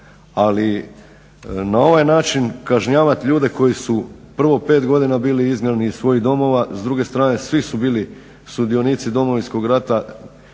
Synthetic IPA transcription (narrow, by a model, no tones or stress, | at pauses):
ali | nao̞ʋajnaːt͡ʃinkaʒɲaːʋat̪ʎuːd̪e̞ko̞jisupr̩ʋo̞pe̞ːt̪ɡo̞d̪inabiːliizmʲjeɾniissʋo̞jiɦd̪o̞mo̞ʋazd̪ɾuːɡe̞st̪ɾaːne̞sʋisubiːli | st̪ud̪io̞niːt̪sid̪o̞mo̞ʋinsko̞ɡɾat̪a